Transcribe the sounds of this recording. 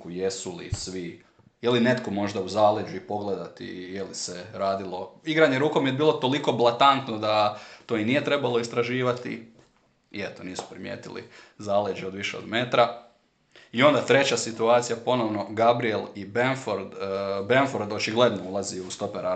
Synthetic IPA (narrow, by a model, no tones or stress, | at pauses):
kuje̞sulḭsʋi | jeline̞t̪ko̞mo̞ʒd̪auzaːled͡ʒuipo̞ɡled̪at̪ḭjeliseɾaːd̪ilˠo̞iɡɾaɲeɾuːko̞mjebiːlˠo̞t̪o̞liko̞blˠat̪ant̪nod̪at̪o̞inijet̪ɾe̞balˠoist̪ɾaʒiːʋat̪ḭ | iet̪oniːsu̥pɾimjḛːt̪ilḭzaːled͡ʒeo̞d̪ʋiʃeod̪meːt̪ɾa | io̞nd̪at̪ɾe̞t͡ɕasit̪uaːt̪sijapo̞no̞ʋno̞ɡabɾielˠibenfoɾd̪benfoɾd̪o̞t͡ʃiɡle̞d̪noulˠaziust̪o̞peɾa